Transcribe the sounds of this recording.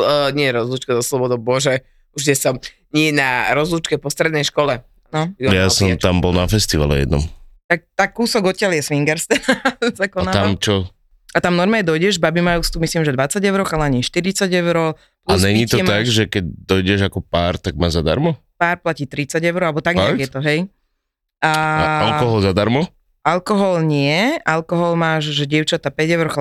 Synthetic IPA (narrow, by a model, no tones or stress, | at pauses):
ɲɪɛɾɔzlut͡ʃkazɔslɔbɔd̪ɔbɔʒɛ | ut͡ʃɛsɔm | ɲɪɛnaɾɔzlut͡ʃkɛpɔst̪ɾɛd̪nɛjʃkɔlɛ | nɔjasɔmt̪ambɔlnafɛst̪iʋa̰lɛ̰jɛ̰d̪nɔ̰mt̪ak̚t̪akkːuːsɔɡɔt̪̚cɪaljɛsʋiŋɡɛɾst̪ɛnazakɔnat̪amt͡ʃɔ | at̪amnɔɾmɛɛd̪ɔjɟɛʒbabimajust̪umislimʒɛd̪ʋat͡saɟɛʊɾɔxalɛaɲiʃt̪iɾit͡saɟɛʊɾɔ | plaɲɛɲiːt̪ɔtt̪aɡʒɛkɛɟ̚d̪ɔjɟɛʒakɔpaːɾt̪aɡ̚maːʒzad̪a̰ɾmɔpaːɾplaciːt̪ɾit͡saɟɛʊɾɔalɛbɔt̪aɡɲɛaɡjɛt̪ɔɦɛj | aalɔɦɔlzad̪aɾmɔ | alkɔɦɔlɲɪɛʔalkɔɦɔlmaːʒʒɛɟɪɛʊt͡ʃat̪apɛɟɛʊɾɔxa